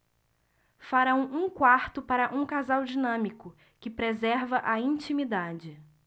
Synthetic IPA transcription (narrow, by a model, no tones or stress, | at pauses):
faɾɐ̃w̃ũkwaɾt̪ʊpaɾɐʔũkazawd͡ʒinɐ̃mikʊ | kɪpɾezɛɾvɐʔɐĩnt͡ʃĩmid̪ad͡ʒɪ